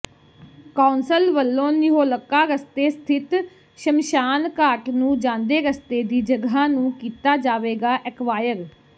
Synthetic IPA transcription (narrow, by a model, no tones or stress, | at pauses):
kaːnsəlʋəlːõːnɪɦoːləkːaːɾəst̪eːst̪ʰɪt̪ | ʃəmʃaːnkaːʈnũːd͡ʒãːnd̪eːɾəst̪eːd̪iːd͡ʒəɡɦãːnũːkiːt̪aːd͡ʒaːʋeːɡaːʔɛkʋaːjəɾ